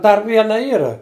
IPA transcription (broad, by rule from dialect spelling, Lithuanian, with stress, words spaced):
ˈdɐr ˈʋʲiɛnɐ ˈiːrɐ